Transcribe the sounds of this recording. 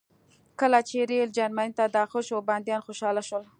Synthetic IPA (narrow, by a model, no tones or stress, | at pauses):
kəlat͡ʃeɾeld͡ʒaɾmanit̪ad̪axoʃobɑnd̪jɑnxoʃɑlaʃwəl